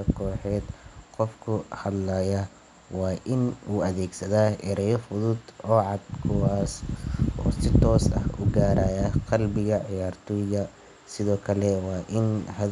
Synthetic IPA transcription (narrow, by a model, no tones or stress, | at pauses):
ɐkʰɔːħɛːd̪̥qɔfkʰʊhɐd̪lajɐ | wɑːʔɪnuːɐðɛːɡsɐðaːʔɛɾɐjɔfʊðʊd̪ɔːʕɑd̪kʰʊwaːsʔɔ̰ːsɪt̪ʰɔːsɐ̰hʊ̰ɡaːɾaːjɐqɑlbɪɣɐʕɪjaːrt̪ʰɔjɣɐ | sɪðɔːkʰɐlɛwɑːʔɪnhɐ